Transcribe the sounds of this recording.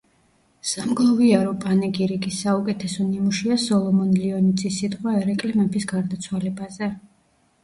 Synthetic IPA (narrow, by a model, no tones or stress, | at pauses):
samɡlˠɔviaɾɔpʼanɛɡiɾiɡisːaukʼɛt̪ʰɛsɔnimuʃiasɔlˠɔmɔnliɔnid̪zʼisːit̪ʼqʼwaɛɾɛkʼlimɛbisɡaɾd̪at̪sʰwalɛbazɛ